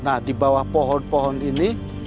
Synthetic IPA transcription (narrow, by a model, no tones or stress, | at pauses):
nahdibawahpɔɦɔnpɔɦɔnini